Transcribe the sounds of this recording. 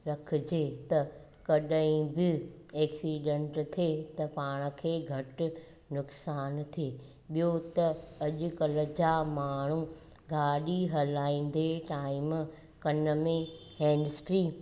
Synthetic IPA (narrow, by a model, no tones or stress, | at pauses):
ɾɐkʰɪd͡ʑeːt̪ɐ | kɐɗəĩbɪeːksiːɖẽɳʈt̪ʰet̪ɐpaːɽ̃ə̆kʰeːɡʱɐʈʊ̆ | nʊksaːnt̪ʰieː | ɓijot̪ɐɐʄʊ̆kɐləd͡ʑamaːɳ̤u | ɡʱaːɗiɦɐlaːĩn̆d̪eʈaːɪm | kɐnəmẽ | hɛ̃ːɳɖsʈɾiː